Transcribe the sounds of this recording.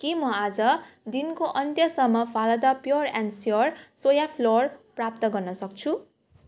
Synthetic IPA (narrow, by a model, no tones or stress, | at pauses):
kimʌad͡zʌd̪inkoʔʌnt̪jʌsʌmːʌpʰalʌd̪ʌpjoransjorsojapʰlorprap̚t̪ʌɡʌrnʌsʌk̚t͡sʰu